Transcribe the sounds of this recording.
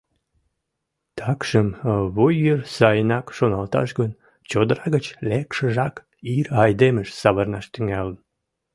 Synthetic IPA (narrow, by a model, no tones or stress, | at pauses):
t̪ʰɑkʃəmβujːərsɑjənɑkʃonɑlt̪ɑ̰ʃɡən | t͡ɕod̪əɾɑɣət͡ɕlekʃəʒɑk | irɑjd̪eməʃsɑβərnɑʃt̪yŋælən